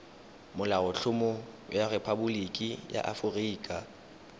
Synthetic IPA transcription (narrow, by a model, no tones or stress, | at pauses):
mʊlaʊɬʊmɔwjarepʰabʊlikʼija̰ʔa̰fʊriːkʼa